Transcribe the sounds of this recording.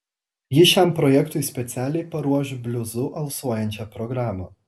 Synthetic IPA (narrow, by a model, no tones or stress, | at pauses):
jɪʃʲæˑmpɾɔjɛkt̪ʊɪsʲpʲɛt̪sʲæːlʲɛɪpɐɾuɔʃʲbʲlʲʊzʊʔɐlˠsuɔjɛnʲt͡ʃʲɛpɾɔɡɾɑːmɐː